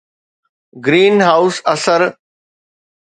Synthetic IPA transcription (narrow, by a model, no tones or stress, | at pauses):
ɡɾiːnɦaːʊsɐsəɾ